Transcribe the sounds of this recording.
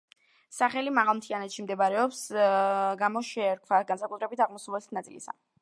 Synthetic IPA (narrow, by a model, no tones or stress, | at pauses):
saχɛlimaʁalˠmt̪ʰianɛt̪ʃimd̪ɛbaɾɛɔps | ɡamɔʃɛːɾkʰvaɡansakʼut̪ʰɾɛbit̪ʰaʁmɔsuvlɛsi̥nat̪ʼilisa̰